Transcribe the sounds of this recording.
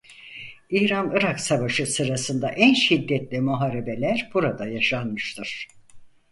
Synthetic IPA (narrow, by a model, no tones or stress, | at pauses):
iːɾanɯɾaksavaʃɯsɯɾasɯnd̪aʔænʃid̪ːɛt̪lʲimuɦaːɾe̞be̞lʲæɾbuɾad̪ajaʃanmɯʃt̪ʰɯɾ̥